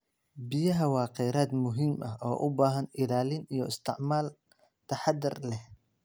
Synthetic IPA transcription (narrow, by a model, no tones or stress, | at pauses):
bɪjɐɦɐwɑːqɛjɾaːd̪mʊɦimʔɐɦʔɔːʔʊbaːɦɐnɪlaːlɪnijɔɪst̪ʰɪʕmaːl | t̪ʰɐħɑd̪ɪrlɛh